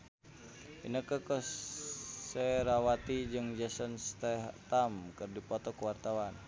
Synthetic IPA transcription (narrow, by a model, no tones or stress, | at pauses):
ḭnəkəkə | sɛɾawat̪id͡ʒɨŋd͡ʒəsənst̪ɛɦt̪amkɨrdipɔt̪ɔkuwart̪awan